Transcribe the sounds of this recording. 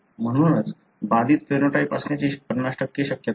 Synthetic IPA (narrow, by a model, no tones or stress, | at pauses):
m̤əɽ̃uːnət͡s | bad̪ʱiːt̪̚pɾenoʈaipɐsnet͡ɕipəɾnaʂʈəkːiɕəkjət̪